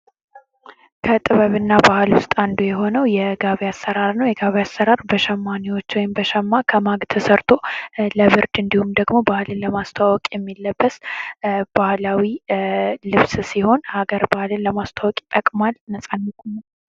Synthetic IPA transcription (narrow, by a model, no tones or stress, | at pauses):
kʰət̪ʼɨβəβɨnːabahlwʊst̪ʼand̪ojɛɦo̞nəwjɛɡaβjasːəɾaɾnəwjɛɡaβjasːəɾaɾbəʃɛmːaniwo̞t͡ʃːwɔjɪmbəʃɛmːakʰəmaɡt̪ʰəsəɾt̪ʰoləβɨɾd̪ɨnd̪ihumd̪əɡmo̞bahlɨnləmast̪ʰawɔkʼjɛmːilːəbːəs | b̥ahlawi | lɨβssiho̞nhaɡəɾbahlɨnləmast̪ʰawɔkʼt̪ʼəkʼmalnəsʼanːəkʼum